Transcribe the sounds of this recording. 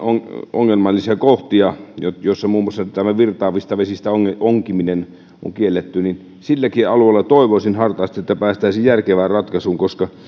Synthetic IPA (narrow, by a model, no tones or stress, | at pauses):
oŋo̰ŋːelmɑlːisɑkoht̪iɑjot̪josːɑmuːmːˑoɑsːɑt̪æmæʋirt̪ɑːʋˑist̪ɑʋesist̪æoŋːeoŋkiminen | ʔo̰ŋkielːet̪ːynin | silːækiɑluelːɑt̪oˑiʋosinhɑrt̪ɑːst̪iet̪ːæpæːst̪æˑisijjærkeʋæːrrɑt̪kɑsuːŋkoskɑ